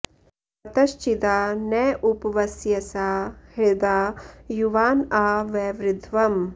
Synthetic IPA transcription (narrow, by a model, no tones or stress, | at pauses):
ɐt̪ɐʃt͡ʃid̪aːnɛːʔupɐʋɐsjɐsaːhed̪aːjuʋaːnaːʋeːʋɾɪd̪ʱʋɐm